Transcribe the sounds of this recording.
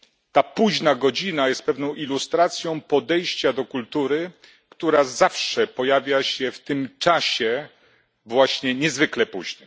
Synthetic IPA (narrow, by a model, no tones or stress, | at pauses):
t̪apuʑnaɡɔd͡ʑinajɛst̪̚pɛvnɔ̃w̃ʔilust̪ɾat̪sʲjɔ̃w̃pɔd̪ɛjɕt͡ɕad̪ɔkult̪uɾɘ | kt̪uɾazafʂɛpɔjavʲjaɕɛft̪ɘmt͡ʂaɕɛ | vwaɕɲɛɲɛzvɘklɛpṵʑnɘm